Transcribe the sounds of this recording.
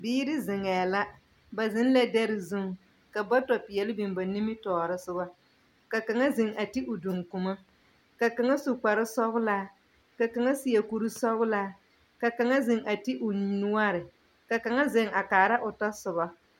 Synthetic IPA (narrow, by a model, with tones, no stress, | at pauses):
biː˦ɾɪ˦zɪ˨ŋɛː˨la˦ | ba˨zɪ˦n˦lɛ˦dɛ˦ɾɪ˨zu˦ŋ | ka˨ba˦tɔ˨pɪ˨jɛ˨lɪ˦bi˨mba˨ni˦mɪ˦tɔː˨ɾɨ˦sʊ˦ba˦ | ka˨ka˨ŋa˦zɪ˨ŋʔa˨ti˦ʔʊ˨du˨ŋku˨ma˦ | ka˨ka˨ŋa˦sʊ˨k͡pa˨ɾɨ˦sɔ˦ɣʊ˦laː˦ | ka˨ka˨ŋa˦si˨jɛ˨ku˨ɾɨ˦sɔ˦ɣʊ˦laː˦ | ka˨ka˨ŋa˦zɪ˨ŋʔa˨ti˦ʔʊ˨nnu˦a˦ɾɪ˨ | ka˨ka˨ŋa˦zɪ˨ŋʔa˨kaː˨ɾa˦ʔʊ˨ta˦sʊ˨βa˦